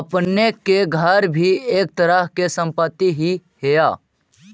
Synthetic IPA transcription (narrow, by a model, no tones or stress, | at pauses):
əpnekeɡʱəɾbʱieːk̚t̪əɾəɦkesə̃mpət̪ːiɦihejaː